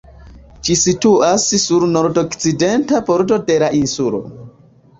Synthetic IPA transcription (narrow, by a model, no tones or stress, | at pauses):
d͡ʒisituʔassuɾno̞ɾdokt͡side̞ntapoɾto̞de̞laʔinsulo̰